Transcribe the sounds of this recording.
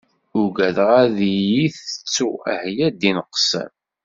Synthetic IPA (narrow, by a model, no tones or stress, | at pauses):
ʊɡæðʁæðijiθə̥t͡sːuæ̰hjæd̪inəqːsə̰m